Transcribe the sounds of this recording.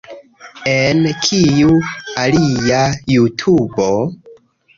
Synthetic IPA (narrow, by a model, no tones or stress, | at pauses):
enkʰijualijajutʰubo̞